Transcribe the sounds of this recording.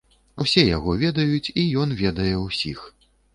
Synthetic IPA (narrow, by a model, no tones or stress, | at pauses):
wsʲɛjaɣɔvʲɛd̪ɐjut͡sʲijɔnvʲɛd̪ɐjɛwsʲix